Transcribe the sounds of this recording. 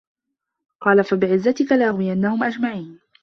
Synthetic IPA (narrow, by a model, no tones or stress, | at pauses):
qɑːlafabɪʕɪzːat̪ɪkalɪʔaɣwɪjanːahʊmʔad͡ʒmaʕiːn